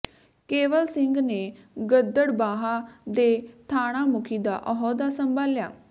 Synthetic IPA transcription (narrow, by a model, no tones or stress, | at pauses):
keːʋəlsɪŋɡneː | ɡəd̪əɽbaːɦaːd̪eːt̪ʰaːɽ̃aːmʊkʰiːd̪a̰ːʔɔɦɔːd̪aːsəmbʱaːlja̰ː